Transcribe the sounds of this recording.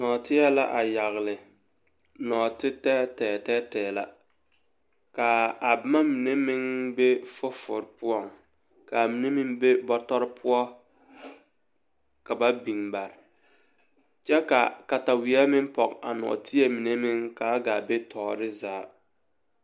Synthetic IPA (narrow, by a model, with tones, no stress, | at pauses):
nɔː˨tɪ˦jɛ˦la̰˦ʔa˨ja˨ɣlɪ˨ | nɔː˨tɪ˦tɛː˦tɛː˨tɛː˦tɛː˨la˨ | ka˨a˨bɪ˦ma˦mi˨ne˦mɪ˦ŋbe˦fʊ˦fʊ˨ɾpʊ˦ɔ˦˨ŋ | ka˨mi˨ne˦mɪ˦ŋbe˦bɔ˦tɔ˦ɾɪ˦pʰʊ˦ɔ˦ | ka˨ba˦bi˨ŋba˨ɾɪ˨ | t͡ʃɛ˦ka̰˨ka˨ta˨wi˨˦ɛ˦mɪ˦ŋpɔ˨ka̰˨nɔ̰ː˨tʰɪ˦e˦mi˨ne˦mɪ˦ŋka˨˦ɡaː˨be˦tʰɔː˨ɾɪ˦zaː˨˦